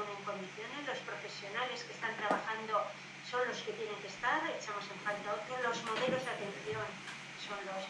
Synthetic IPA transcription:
neŋko̞nd̪iθjo̞ne̞zlo̞spɾo̞fe̞sjo̞nale̞skest̪ant̪ɾaβaxand̪o̞ | so̞nlo̞ske̞t̪jene̞ŋkest̪aɾet͡ʃamo̞seɱfalt̪aot̪ɾolo̞zmo̞ðe̞lo̞zðeat̪e̞nθjo̞n | so̞nlo̞s

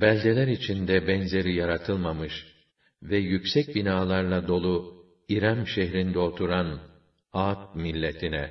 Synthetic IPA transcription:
bælʲɟelʲæɾit͡ʃʰind̪ɛbɛnze̞ɾijaɾat̪ʰɯlˠmamɯʃ | vɛjycsɛc̚binaːlˠaɾlˠad̪o̞lˠu | iɾamʃeɦɾind̪ɛo̞t̪ʰuɾan | aːt̪̚milʲːet̪ʰinɛ

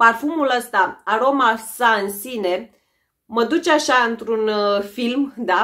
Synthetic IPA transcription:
parfumuləst̪aaɾo̞masaɨnsine̞ | məd̪ut͡ʃaʃaɨnt̪ɾunfilmd̪a

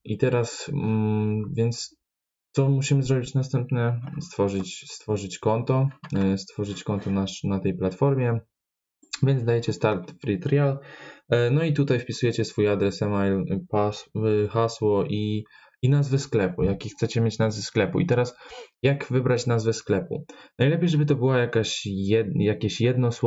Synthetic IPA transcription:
it̪ɛɾas | vʲjɛnt̪s | t̪sɔmuɕimɘzɾɔbʲit͡ɕnast̪ɛmpnɛst̪fɔʐɘt͡ɕst̪fɔʐɘt͡ɕkɔnt̪ɔst̪fɔʐɘt͡ɕkɔnt̪ɔnaʂnat̪ɛjplat̪fɔɾmʲjɛ | vʲjɛnd̪d̪ajɛt͡ɕɛst̪aɾt̪fɾit̪ɾʲjal | nɔit̪̬ut̪ajfpʲisujɛt͡ɕɛsfujad̪ɾɛsɛmajlpasxaswɔʔi | inazvɘsklɛpujakʲixt̪sɛt͡ɕɛmʲjet͡ɕnazvɘsklɛpṵit̪ɛɾasjakvɘbɾat͡ɕnazvɛsklɛpṵnajlɛpʲejʐɛbɘt̪̬ɔbɘwajakaɕɛjakʲeɕjɛd̪nɔsw

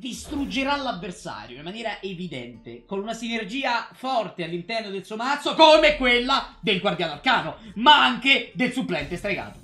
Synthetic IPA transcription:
d̪ist̪ɾud͡ʒːeɾalːavːersa̰ːɾjoimːanjɛːɾaʔevid̪ɛ̰nt̪ekonunasinerd͡ʒiːafɔrt̪ealːint̪ɛrnod̪elsuomat̪sːokomekwelːad̪elɡward̪jaːnoarkaːnomaaŋk̟ed̪elsuplɛnt̪est̪ɾeɡa̰ːt̪o

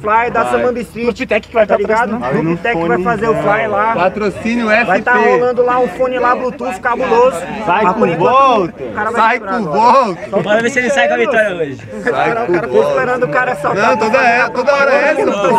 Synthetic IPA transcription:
flajd̪ɐsẽmɐ̃b̪isĩt͡ʃit̪ɛkɪ̥kɪvajpabɾiɾɡad̪ʊnit̪ɛkk̪vajfazeʊflajlapat̪ɾosĩnjʊɛfvajt̪aɾollɐ̃d̪ʊlaũfõnɪlablut̪uʃkabulozʊsajpvɔt̪kaɾɐvajajɾaũvɔt̪ɔpɔvesielɪsajkɐvit̪ɔɾjɐoʒɪ | sajɾospeɾɐ̃d̪ʊʊkaɾɐsɔnɐ̃w̃t̪od̪ɐɛt̪od̪ɐɔɾɐɛs

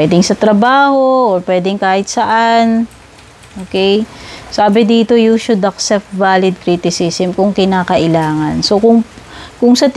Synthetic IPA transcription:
ɛːd̪ɪŋsɐt̪ɾɐbaːho̞ʔːɹpwɛːd̪ɪŋkaːhɪt̪̚sɐʔan | ʔoːkɛjsaːbɪd̪iːt̪o̞juʃʊd̪ɐksɛp̚t̪valɪd̪̚kɾit̪ɪsisɛmkʊŋkɪnaːkɐʔɪlaːŋɐnsokʊŋkʊŋsɐt̪

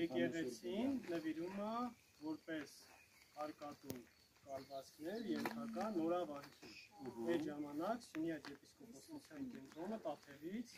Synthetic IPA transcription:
ɛkɛʁɛt͡sʰinːəviɾumɑ | vɔɾpɛs | ɑɾkɑt̪um | kɑɾvɑt͡skʰnɛɾjɛnt̪ʰɑkɑnɔɾɑvɑɾkʰijɛɾʒɑmɑnɑksənjɑd͡ʒɛpiskɔpʰɔχut͡sʰjɑnkɛnt̪ɾɔnəp̪ɑp̪ʰɛɾit͡sʰ

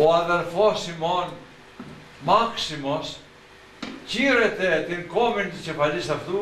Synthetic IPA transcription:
ɔadɛɾfɔsimɔn | maksimɔs | ciɾɛt̪ɛt̪inkɔmint̪ət͡ʃɛfalisaft̪u

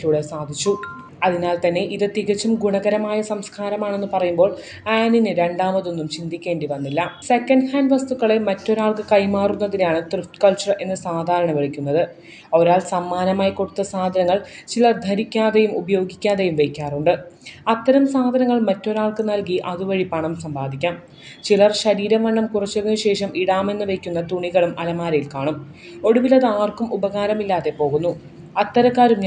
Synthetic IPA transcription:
luːɽe̞saːd̪ʱit͡ɕːu | ɐðinaːlt̪ɐnːe̞ʔiðɨt̪iɣɐt͡ɕːumɡuɳɐɣɐɾɐmaːjɐsɐmskʰaːɾɐmaːɳe̞nːɨpɐrɐjumbo̞ːɭ | aːninɨɾe̞ɳɖaːmɐðo̞nːumt͡ɕind̪ikʲːe̞ːɳɖiʋɐnːilːɐse̞kːɐɳɖhaːnɖʋɐst̪uɣɐɭe̞mɐtːo̞ɾaːɭkɨkɐjmaːrunːɐðinaːɳɨt̪rɨftkɐlt͡ɕːɐre̞nːɨsaːd̪ʱaːɾɐɳɐʋeɭikʲːunːɐðɨ | o̞ɾaːlsɐmːaːnɐmaːjiko̞ɽut̪ːɐsaːd̪ʱɐnɐŋːɐɭt͡ɕilɐrd̪ʱɐɾikʲːaːðejumubɐjo̞ːɡikʲːaːðejumʋekʲːaːruɳɖɨɐt̪ːɐɾɐmsaːd̪ʱɐnɐŋːɐɭmɐtːo̞ɾaːɭkɨnɐlkiʔɐðuʋɐɻipɐɳɐmsɐmbʱaːd̪ʱikʲːaːm | t͡ɕilɐrɕɐɾiːɾɐmɐɳːɐmkurɐt͡ɕːɐðinuɕe̞ːʂɐmʔiɽaːme̞nːɨʋejkʲːunːɐt̪uɳiɣɐɭumʔɐlɐmaːɾɐjilkaːɳum | o̞ɽuʋilɐðɨaːrkumʔubɐɣaːɾɐmilːaːðe̞po̞ːɣun̪ːu | ɐt̪ːɐɾɐkːaːɾum

